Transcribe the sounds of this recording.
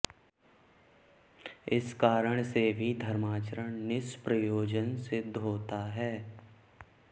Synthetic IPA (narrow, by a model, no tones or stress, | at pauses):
ɪskaːɾəɽ̃sebʱid̪ʱəɾmaːt͡ʃəɾəɳnɪspɾəjoːd͡ʒənsed̪ʱoːt̪aɦɛː